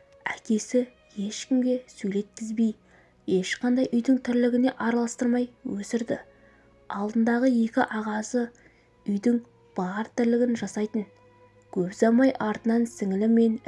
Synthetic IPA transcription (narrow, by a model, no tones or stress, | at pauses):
ækʲe̞sɪ | je̞ʃkʲɪmɡʲe̞sɵjle̞t̪̚kʲʰɪzbij | e̞ʃqɑnd̪ɑjʔʏjd̪ɪŋt̪ʰɪɾlɪɡʲɪne̞ʔɑɾɑlˠɑst̪əɾmɑjwɵsɪɾd̪ɪ̰ | ɑlˠd̪ənd̪ɑʁəje̞kʲɪʔɑʁɑzə | ʏjd̪ɪŋ | b̥ɑɾt̪ʰɪɾlɪɡʲɪnʒɑsɑjt̪əŋ | kʲʰɵpzɑmɑjʔɑɾt̪ənɑnsɪŋɪlɪme̞n